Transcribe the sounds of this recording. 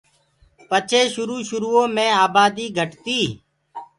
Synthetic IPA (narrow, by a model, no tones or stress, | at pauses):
pət͡ʃʰeːʃʊɾuːʃʊɾuːõːmẽːaːbaːd̪iːɡʱəʈt̪iː